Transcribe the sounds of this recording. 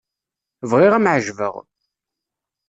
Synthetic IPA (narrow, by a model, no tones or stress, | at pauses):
vʁɪʁæmʕəʒvə̰ʁ